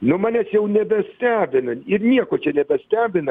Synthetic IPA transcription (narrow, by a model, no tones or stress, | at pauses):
nʊmɑːnʲɛːsjɛʊnʲɛbʲɛsʲt̪ʲæːbʲɪnɐɪrnʲiɛkoːt͡ʃʲɛnʲɛbʲɛsʲt̪ʲæːbʲɪnɐ